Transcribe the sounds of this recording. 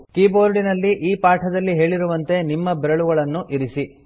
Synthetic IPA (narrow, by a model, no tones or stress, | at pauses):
kiːboːɾɖinɐlːiʔiːpaːʈʰɐd̪ɐlːiɦe̞ːɭiɾuʋɐnt̪e̞nimːɐbɛɾɐɭuɡɐɭɐnːuʔiɾisi